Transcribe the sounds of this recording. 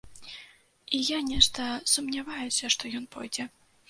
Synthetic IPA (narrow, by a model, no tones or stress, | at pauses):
ijanʲɛʂt̪ɐsumnʲavajusʲɐʂt̪ɔjɔnpɔjd͡zʲɛ